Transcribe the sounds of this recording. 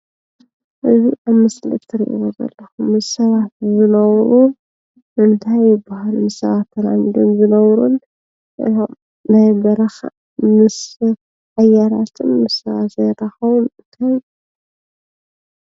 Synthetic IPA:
ʔɨziʔaβmɐslɨ̰t̪ʰːɨɾḭʔḭwozɐ̰lːɐxumɨssɐβat̪̚zɨnɐβɾu | ʔɨnt̪ʰajːɪbːahalumɨssɐβat̪ːɐla̰mid̪omzɨnɐβɾun | ɨ̰om | najbɐɾɐxa̰ | mɨs | ʕajaɾat̪ʰɨmːɨssɐβat̪zɐjɾɐxɐβunɨnt̪ʰaj

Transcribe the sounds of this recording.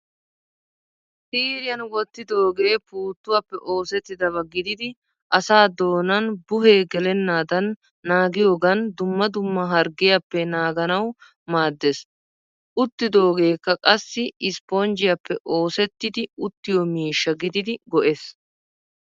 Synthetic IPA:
siːɾɪjɐnwɔt̪ːɪd̪o̞ːɡe̞ːpuːt̪ːʊwɐpːɛʔo̞ːsɛt̪ːɪd̪ɐβɐɡɪd̪ɪd̪ɪ | ʔɐsaːd̪o̞ːnɐnbʊɦe̞ːɡɛlɛnːaːd̪ɐnː | aːɡɪjo̞ːɡɐnd̪ʊmːɐd̪ʊmːɐɦɐɾɡɪjapːɛnaːɡɐnɐw | maːd̪ːes | ʔʊt̪ːɪd̪o̞ːɡe̞ːkːɐkʼɐsːɪɪspond͡ʒɪjɐpːɛʔo̞ːsɛt̪ːɪd̪ɪʊt̪ːɪjɔmiːʃːɐɡɪd̪ɪd̪ɪɡɔʔes

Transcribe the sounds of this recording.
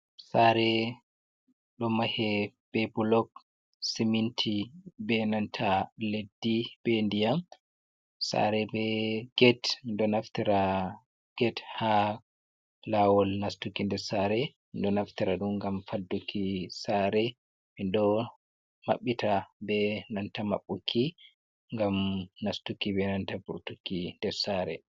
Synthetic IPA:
saɾɛ | ɗɔmahɛb̥ɛbulɔk̚ | simintʰibɛnantʰaledːib̥ɛndijam | sa̰ɾɛbɛɡ̥ɛtndɔnaftiɾa | ɡ̥ɛtha | lawɔlnastukindɛɾsaɾɛ | indɔnaftiɾaɗumŋɡamfadːukʰisaɾɛ | mindɔ | ma̰ɓːitʰabɛnantama̰ɓːukʰːi | ŋɡamnastukibɛnantabuɾtukːindɛɾsaɾɛ̰

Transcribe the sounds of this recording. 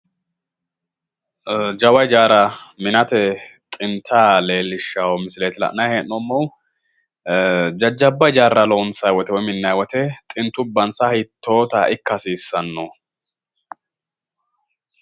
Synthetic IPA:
d͡ʒɐwɐjd͡ʒaːɾɐmɪnɐt̪ɛt̪ʼɪnt̪ʰaːleːlːɪʃːawɔmɪsɪleːt̪ɪlɐ̰ʔnɐjheːnːɔmːow | d͡ʒɐd͡ʒːɐbːɐjd͡ʒaːrːɐlonsɐjwɔt̪ɛwɔjmɪnːɐjwɔt̪ɛt̪ʼɪnt̪ːʊbːɐnsahɪt̪ːoːt̪ɐʔɪkːɐsiːsːɐnːɔ

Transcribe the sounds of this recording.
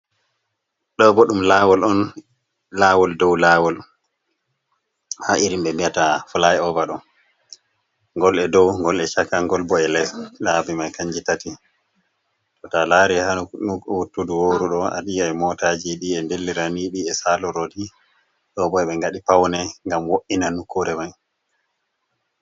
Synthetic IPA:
ɗɔbɔɗumlaːwɔlɔn | laːwɔldɔwlawɔl | haʔiɾimɓɛmbiatafulajɔvaɗɔn | ŋɡɔlɛdɔwŋɡɔlɛʃakaŋɡɔlbɔɛlɛslaːbimajkaɲd͡ʒitati | tɔtalaːɾihanuuwutːuduwoːɾuɗɔa̰ɗiaɛmɔtad͡ʒiɗiɛndelːiɾaniɗiɛsalɔɾodi | ɗɔbɔɛɓɛŋɡaɗipawnɛŋɡamwoʔinanukʰːuɾɛmaj

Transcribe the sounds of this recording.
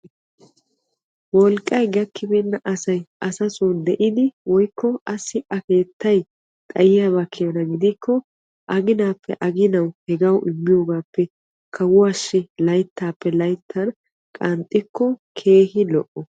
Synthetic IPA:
wɔlkʼːɐjɡɐkʰːɪbɛnːɐʔɐsɐjɐsɐsuːnd̪ɛʔɪd̪ɪwɔjkːɔɐsːɪʔɐke̞ːt̪ːɐj | t̪ʼɐjɪjaːbɐkʰːɪjɔnɐɡɪd̪ɪkʰːɔ | ʔɐɡɪnaːpːɛ̰ʔɐɡɪnɐwhɛɡɐwʔɪmːɪjo̞ːɡaːpːɛ | kʰɐwʊɐʃːɪlɐjt̪ːaːpːɛlɐjt̪ʰːɐn | kʼɐnt̪ʼːɪkːɔkʰe̞ːhɪlɔʔɔ

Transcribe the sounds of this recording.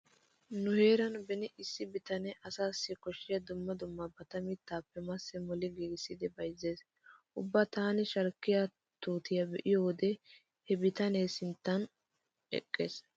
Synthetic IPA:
nʊhe̞ːɾɐnbɛnɪʔɪsːɪbɪt̪ɐnɛʔɐsaːsːɪkɔʃːɪjɐd̪ʊmːɐd̪ʊmːɐbɐt̪ɐmɪt̪ːaːpːɛmɐsːɛmɔlɪɡiːɡsːɪd̪ɛbɐjzːeːs | ʔʊbːɐt̪aːnɪʃɐɾkːɪja | t̪uːt̪ɪjɐbɛʔɪjoːd̪ɛ | hɛbɪt̪ɐnesɪnt̪ːɐn | ɛ̰kʼːḛːs

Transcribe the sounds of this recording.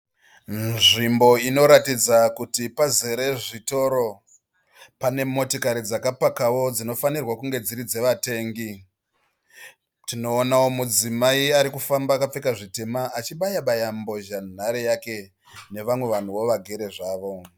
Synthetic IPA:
nʐimbo̞ino̞ɾatid͡zakutipaze̞ɾe̞ʐito̞ɾo̞ | pane̞mo̞tokaɾid͡zakapakawo̞d͡zino̞fanirwakuŋɡe̞d͡ziɾid͡ze̞ʋate̞ːŋɡi | tino̞ːnawo̞mud͡zimaiaɾikufambaːkap͡fekaʐite̞maːt͡ʃiɓajaɓajambo̞ʒan̤aɾejake̞ | ne̞ʋamwe̞ʋan̤uwo̞ʋaɡʱe̞ɾe̞ʐaːʋo̞

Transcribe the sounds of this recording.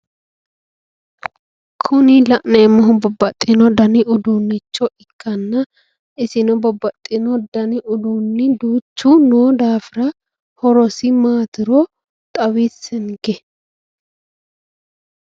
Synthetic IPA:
kʰʊnɪlɐʔneːmɔɦʊbɔbːɐt̪ʼːɪnɔd̪ɐnɪʔʊd̪uːnːɪt͡ʃːɔɪkʰːɐnːɐ | ɪsɪnɔbɔbːɐt̪ʼːɪnɔd̪ɐnɪʔʊd̪uːnːɪd̪uːt͡ʃːunuːd̪aːfɪɾɐ | hɔɾɔsɪmaːt̪ɪɾɔ | t̪ʼɐwisɛnɡɛ

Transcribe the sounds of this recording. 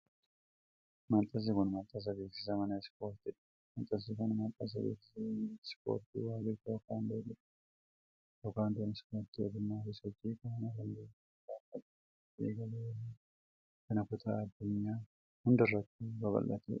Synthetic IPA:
mɐnt̪ʼɐs̬ɪkʊnmɐnt̪ʼːɐs̬ɐbe̞ːksɪs̬ɐmɐnɐspo̞ːɾt̪ɪᶑɐ̥ | mɐnt̪ʼɐs̬ɪkʊnmɐnt̪ʼːɐs̬ɐbeːksɪsɐspo̰ːɾt̪ḭwaːɡɪt̪ɐɔkaːnd̪eːɡɪᶑ | jokaːnd̪onɪspoːɾt̪iɔd̪ʊmːaːfɪsɔt͡ʃʼːiːkɐnnɐlɐlːeː | ɡaːfɐt̪ | dḛːɡɐle | kɐnɐkʊt̪ʰa̰ːd̪ːʊɲːaː | hʊnd̪ɪrːɐt̪ːuːbɐbɐ̰lːɐt̪ʰḛ

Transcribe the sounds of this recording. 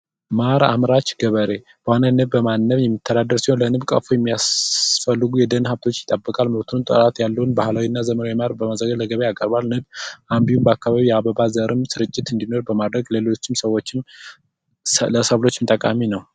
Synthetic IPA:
maɾa̰mɾat͡ʃɡəβəɾe | b̥əhanənɨβːəmanːəβjɛmːɨt̪ʰːəd̪ad̪əɾsihonlənɨβkʼə̰fojɛmːijasfəlːɨɡujɛd̪ənhaft̪ʰo̞t͡ʃːjɪt̪ʼəbːəkʼalməβt̪ʰuɨnt̪ʼə̰ɾʼat̪jalːəwunbahlawinːazəmənawimaɾbəmazəɡələɡəβeakʼəɾbalnɨbʔambiwumbəakːaβaβijaβəβazəɾɨmsɨɾɨt͡ʃʼːɪt̪ɨnd̪ino̞ɾbəmad̪ɾəɡlelo̞t͡ʃːɪmsəwːot͡ʃːɪm | ləsəβlo̞t͡ʃːmɨnt̪ʼəkʼaminəw

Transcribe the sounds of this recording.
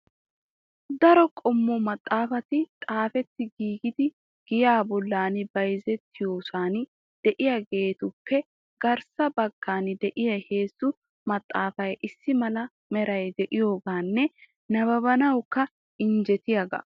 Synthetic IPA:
d̪ɐɾɔkʼɔmːɔmɐt̪ʼːaːfɐt̪ɪt̪ʼaːfɛt̪ːɪɡiːɡɪd̪ɪ | ɡ̥ɪjaːbɔlːaːnɪbɐjzɛt̪ːɪjo̞ːsaːn | d̪̥ɛʔɪjɐɡe̞ːt̪ʊpːɛ | ɡ̥ɐɾsɐbɐɡːaːnd̪ɛʔɪjɐhe̞ːsːʊ | mɐt̪ʼːaːfɐjʔɪsːɪmɐlɐ | mɛɾɐjd̪ɛʔɪjo̞ːɡaːnːɛ | nɐβɐβɐnɐwkːɐ | ɪnd͡ʒɛt̪ɪjɐɡɐ̰

